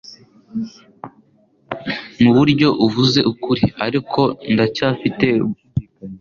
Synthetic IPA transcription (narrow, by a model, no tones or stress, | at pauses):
muβuɾɟo̞ʔuvuze̞ʔukuɾiaɾikʰo̞ndacaːfite̞